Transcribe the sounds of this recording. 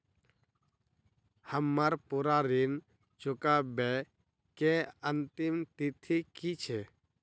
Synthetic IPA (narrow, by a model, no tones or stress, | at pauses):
həmːaɾpuɾaɾin | t͡ʃʊkabe | keənt̪ɪmt̪it̪ʰikit͡ʃʰɛ